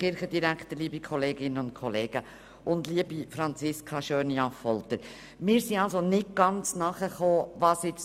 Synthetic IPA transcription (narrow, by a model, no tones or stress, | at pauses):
χɪɾχəd̪iɾækχt̪əɾliəbikʰɔleːɡɪnənʊntkʰɔleːɡ̥ə | ʊndliəbifɾɑnt͡sɪskʰɑʃøːnjɑfɔlt̪əɾ | mɪːɾsiɑlsonɪt̚ɡ̥ɑnt͡snɑχəχoːvɑːsɪt͡s